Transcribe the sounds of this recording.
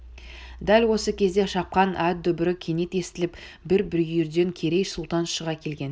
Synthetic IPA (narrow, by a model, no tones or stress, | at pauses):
d̪ælwo̞səkʲʰe̞zd̪e̞ʃɑp̚qɑnʔæt̪̚d̪ɵbɪɾɪkʲʰe̞ne̞t̪e̞st̪ɪlɪp | bɪɾbɪɾjʏɾd̪e̞ŋkʲʰe̞ɾe̞jsʊlˠt̪ɑnʃəʁɑkʲʰe̞lɡʲe̞n